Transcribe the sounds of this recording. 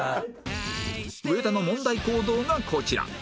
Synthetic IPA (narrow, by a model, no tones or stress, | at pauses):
ɯ̟e̞t̪ano̞mõ̞nd̪aiko̞ːd̪o̞ːɡakʰo̞t͡ɕiɾa̰